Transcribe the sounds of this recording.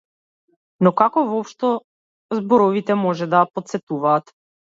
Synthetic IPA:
nɔkakɔvɔpʃt̪ɔ | zbɔɾɔvit̪ɛmɔʒɛd̪aapɔt̪t̪sɛt̪uvaːt̪

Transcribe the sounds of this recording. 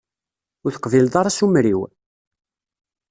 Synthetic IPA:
ʊɾθə̥qvild̪ˤɑɾˤɑsumɾiw

